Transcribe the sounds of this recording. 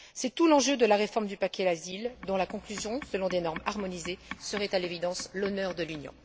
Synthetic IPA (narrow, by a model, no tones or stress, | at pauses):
sɛt̪ulɑ̃ʒød̪əlaʁefɔʁmd̪ypakʲɛlazild̪ɔ̃lakɔ̃klyzjɔ̃səlɔ̃d̪enɔʁmaʁmɔnizesəʁɛt̪alevid̪ɑ̃slɔnœʁd̪əlynjɔ̰̃